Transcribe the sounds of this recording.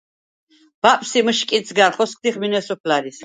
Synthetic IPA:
b̥apʼsiməʃkʼisʰɡaɾχɔsk̚ʰʼd̪iχminɛsɔpʰlaɾis

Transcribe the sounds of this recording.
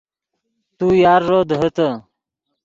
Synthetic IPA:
t̪ujaːɾːoːd̪ɦət̪ə

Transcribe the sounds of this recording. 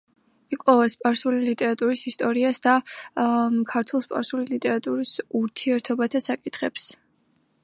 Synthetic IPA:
ikʼɔvaspʼaɾsulilit̪ʼɛɾat̪ʼuɾisist̪ʼɔɾiasd̪a | kʰaɾt̪ʰwɛlˠspʼa̰ɾsulilit̪ʼɛɾat̪ʼuɾisuɾt̪ʰiɛɾt̪ʰɔbat̪ʰasakʼit̪ʰχɛps

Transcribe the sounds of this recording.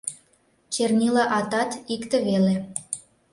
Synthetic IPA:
t͡ɕernʲilɑʔɑt̪ɑt̪ikt̪eβele

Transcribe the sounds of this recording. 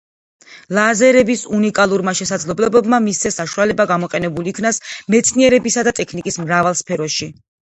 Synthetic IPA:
lˠazɛɾɛbisunikʼalˠuɾmaʃɛsad̪zlɛblɛbɛbmamist̪sʰɛsaʃualɛbaɡamɔqʼɛnɛbuliːkʰnasmɛt̪sʰniɛɾɛbisad̪at̪ʼɛkʰnikʼismɾavalˠspʰɛɾɔʃi

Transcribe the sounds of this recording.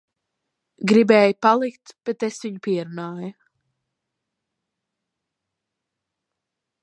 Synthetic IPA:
ɡɾibɛːjupalˠikt̪b̥et̪esʋiɲupiɛɾunaːju

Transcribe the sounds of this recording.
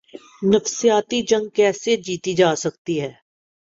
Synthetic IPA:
nəfsijaːt̪id͡ʒə̃ŋɡ̚kɛːsed͡ʒiːt̪id͡ʒaːsɐkt̪iɦɛː

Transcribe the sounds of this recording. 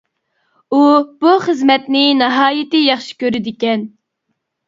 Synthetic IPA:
ub̥uχəzmɛt̪nɪnɨɦɑːjɪt̪ɪjɑχʃi̥kʲøɾɪd̪ɪkʲɛn

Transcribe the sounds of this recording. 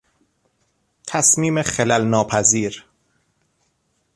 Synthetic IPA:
t̪ʰæsmiːmexelælnɒːpʰæziːɾ

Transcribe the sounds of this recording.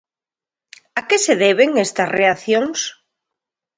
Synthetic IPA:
akeseðeβ̞eŋest̪ɐsreaθjoŋs

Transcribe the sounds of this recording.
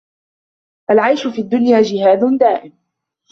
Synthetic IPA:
ʔalʕajʃʊfiːd̪ːʊnjaːd͡ʒɪhaːd̪ʊnd̪aːʔɪm

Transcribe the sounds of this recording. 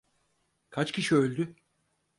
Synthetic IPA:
kʰat͡ʃcʰʲiʃiølʲd̪y

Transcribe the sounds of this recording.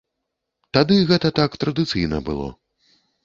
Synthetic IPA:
t̪ad̪ɨɣɛt̪ɐt̪akt̪ɾɐd̪ɨt̪sɨjnɐbɨlˠɔ̰

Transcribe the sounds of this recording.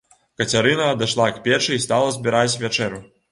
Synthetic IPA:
kɐt͡sʲaɾɨnɐːd̪aʂlˠakpʲɛt͡ʂɨist̪alˠɐzʲbʲiɾat͡sʲvʲat͡ʂɛɾu

